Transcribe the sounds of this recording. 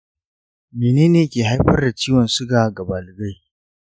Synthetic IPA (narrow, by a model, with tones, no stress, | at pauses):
meː˨neː˦neː˨kʲeː˨ɦa˦jɸɐ˦rda˨t͡ʃiː˦wɔ˨nsʊ˦ɡaː˨ɡɐ˨baː˨lɪ˨ɡa˦j